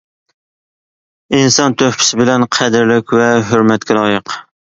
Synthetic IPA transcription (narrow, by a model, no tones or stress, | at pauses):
insɑnt̪ʰøhpʰɪ̥sɪbɪlɛnqʰæd̪ɪɾlɪkʲwɛɦøɾmɛt̪kʲʰɛlˠɑːjəq